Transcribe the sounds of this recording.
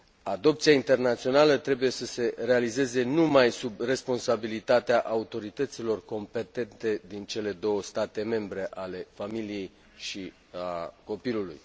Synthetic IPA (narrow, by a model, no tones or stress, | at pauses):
ad̪o̞p̚t̪siaint̪e̞rnat̪sio̞nalət̪ɾe̞buje̞səse̞re̞alize̞ze̞numajsubre̞spo̞nsabilit̪at̪eaʔaut̪o̞ɾit̪ət̪silo̞rko̞mpe̞t̪e̞nt̪e̞d̪int͡ʃe̞le̞d̪o̞wəst̪at̪e̞me̞mbɾe̞ʔale̞familije̞j | ʃi | a̰ko̞piluluj